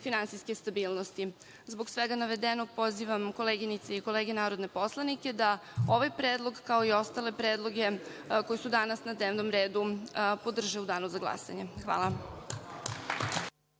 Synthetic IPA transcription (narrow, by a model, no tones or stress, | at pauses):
finant̪sijske̞st̪abiːlˠnost̪i | zbo̞ɡsʋeɡanaʋe̞d̪eno̞ɡ̚po̞ziʋamko̞leːɡinit̪seiko̞le̞ːɡenaːɾo̞d̪ne̞po̞slˠanikʲe̞d̪ao̞ʋajpɾeːd̪lˠo̞ɡkao̞io̞st̪ale̞pɾe̞ːd̪lˠo̞ɡe̞ko̞jesud̪anasnad̪ne̞ːʋno̞mɾe̞ːd̪upo̞d̪r̩ʒeud̪aːnuzaɡlˠa̰sa̰ɲe̞xʋa̰ːlˠa